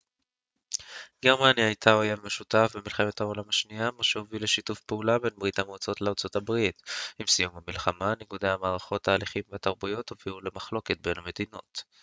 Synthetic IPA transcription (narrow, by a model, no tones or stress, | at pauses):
ɡ̥e̞ʁmanjaajtʰaojanmeʃutafbemilχe̞methaolamaʃniamaʃehovile̞ʃitufpeulabe̞nbʁit̪amt͡so̞tleaʁt͡sot̪abʁitimsijumhamilχamaneɡud̪ejhamaːʁaχo̞tːaːliχimveat̪aʁbujo̞thoviule̞maχlo̞ke̞t̚bename̞dino̞̰t